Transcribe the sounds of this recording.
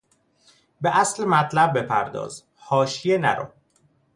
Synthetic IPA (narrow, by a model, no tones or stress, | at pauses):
beʔæslemæt̪ʰlæb̚ːe̞pʰæ̰ɾd̪ɒ̰ːz̥ | hɒːʃije̞næ̰ɾo̰